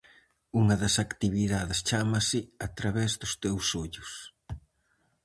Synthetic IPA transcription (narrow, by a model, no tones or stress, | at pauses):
uŋɐðɐsakt̪iβiðaðɪst͡ʃamɐsɪat̪ɾaβɛzðʊst̪ewsoʎʊs